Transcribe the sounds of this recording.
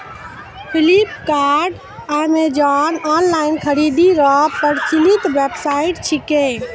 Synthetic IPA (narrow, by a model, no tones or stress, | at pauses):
pʰilipkaɾɖ | ajmed͡ʒanɔnlainkʰəɾid̪iɾɔpəɾt͡ʃilit̪ʋepsaiʈt͡ʃʰikẽ